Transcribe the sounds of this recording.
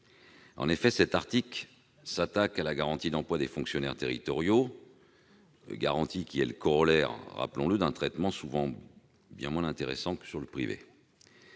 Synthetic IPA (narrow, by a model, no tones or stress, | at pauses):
ɑ̰̃nefɛsɛt̪aʁt̪ikl | sat̪akalaɡaʁɑ̃t̪id̪ɑ̃plwad̪efɔ̃ksjɔnɛʁt̪eʁḭt̪ɔʁjo | ɡa̰ʁɑ̃t̪ikʲiɛləkɔʁɔlɛʁːa̰plɔ̃ləd̪ɛ̃t̪χɛt̪mɑ̃suvɑ̃ | bjɛ̃mwɛ̃ɛ̃t̪eʁḛsɑ̃kə̥syʁləpχivḛ